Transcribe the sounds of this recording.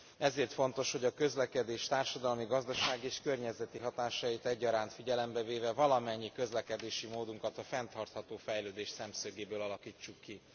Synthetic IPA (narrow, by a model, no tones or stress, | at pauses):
ɛzeːrt̪fo̞nt̪o̞ʃho̞ɟɒkø̞zlɛkɛd̪eːʃt̪aːrʃɒd̪ɒlmiɡɒzd̪ɒʃaːɡieːʃkørɲɛzɛt̪iɦɒt̪aːʃɒjit̪ɛɟːɒɾaːnt̪fiɟɛlɛmbɛveːvɛvɒlɒmɛɲːikø̞zlɛkɛd̪eːʃimoːd̪uŋkɒt̪ɒfɛnt̪ɒrt̪hɒt̪oːfɛjløːd̪eːʃsɛmsøɡeːbøːlɒlɒkiːt͡ʃːukːi